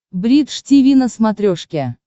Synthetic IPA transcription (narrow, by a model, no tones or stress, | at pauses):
bɾʲit̪ʂtʲivʲinəsmat̪ɾʲoʂkʲe